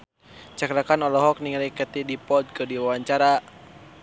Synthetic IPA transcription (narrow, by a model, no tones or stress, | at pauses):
t͡ʃakɾakanɔlɔɦɔk̚niŋalikət̪idipɔd̪̚kɨdiwawaɲt͡ʃaɾa